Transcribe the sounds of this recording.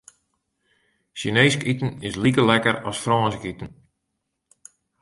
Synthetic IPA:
ʃineːskitn̩ɪslikəlɛkəɾɔsfrɔːnsəkitən̩

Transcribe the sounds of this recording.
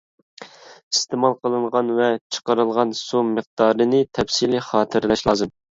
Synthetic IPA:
ist̪ɪmɑlˠqʰəlˠɨɴʁɑnvɛt͡ʃʰə̥qəɾɨlˠʁɑnsuməq̚d̪ɑːɾɨnɨt̪ʰɛfsilɪχɑːt̪ʰɨɾlɛʃlˠɑːzɨm

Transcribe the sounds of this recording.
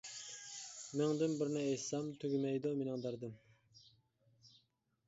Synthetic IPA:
mɪŋd̪ɪmbɪɾnɪejsɑmt̪ʰøɡʲymɛjd̪umenɪŋd̪ɑɾd̪ɨm

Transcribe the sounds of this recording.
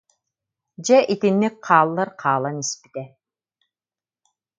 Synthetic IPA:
d͡ʑɛʔit̪inːik̚qʰaːlˠːaɾqʰaːlˠanispi̥t̪ɛ

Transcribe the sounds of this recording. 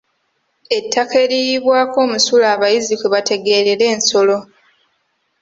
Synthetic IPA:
e̞tʰːake̞ɾijiβwaːko̞ːmusulaːβajizikweβate̞ɡe̞ɾeɾe̞ːnso̞lo̞

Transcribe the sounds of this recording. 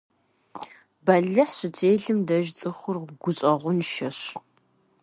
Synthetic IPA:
bɐɮɨħɕɨtʰeːjɮɨmdɐʒt͡sʼɨχʷʊrɡʷʊɕʼɐʁʷʊnʃɐɕ

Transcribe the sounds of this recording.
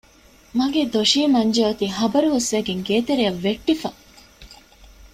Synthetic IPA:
mɐɡed̪oʃiːmɐɲd͡ʒeɐt̪iɦɐbɐɾuɦusʋæːɡeŋɡeːt̪eɾiɐʋːeʈːifɐ

